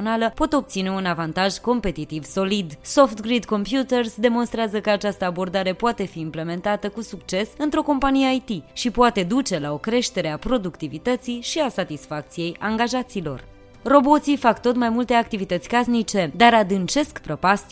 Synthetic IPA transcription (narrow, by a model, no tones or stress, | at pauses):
onaləpo̞t̪o̞p̚t̪sine̞unavant̪aʒko̞mpe̞t̪it̪ivso̞lid̪so̞ft̪ɡɾid̪ko̞mpjut̪ersd̪e̞mo̞nst̪ɾeazəkəat͡ʃast̪əabo̞rd̪aɾe̞poat̪e̞fiːmple̞me̞nt̪at̪əkusukt͡ʃe̞sɨnt̪ɾo̞ko̞mpanijeajt̪iʃipoat̪e̞d̪ut͡ʃe̞lao̞kɾe̞ʃt̪e̞ɾe̞apɾo̞d̪ukt̪ivit̪ət̪siʃiasat̪isfak̚t̪sije̞jʔaŋɡaʒat̪silo̞̰r | ro̞bo̞t̪sifakt̪o̞t̪majmult̪e̞akt̪ivit̪ət̪sʲkasnit͡ʃe̞d̪aɾad̪ɨnt͡ʃe̞skpɾopas